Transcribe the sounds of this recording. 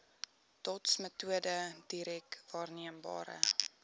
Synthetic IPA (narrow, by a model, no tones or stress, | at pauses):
tɔtsmətuədəd̥iɾɛkvɑːrniəmbɑ̰ːɾə̰